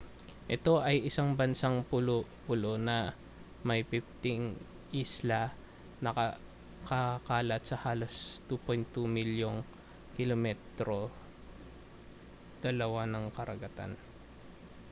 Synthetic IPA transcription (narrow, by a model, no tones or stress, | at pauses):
ʔɛt̪o̞ʔɐjɪsaŋbɐnsaŋpʊlopʊlo̞nɐ | mɐjpif̚t̪ɪŋ | ʔislɐ | nɐkɐ | kɐkaːlɐt̪̚sɐhaːlo̞st̪upojnt̪ːumiljoŋ | kɪlomɛt̪ɾo̞ | d̪̥ɐlɐwanɐŋkɐɾɐɡɐt̪a̰n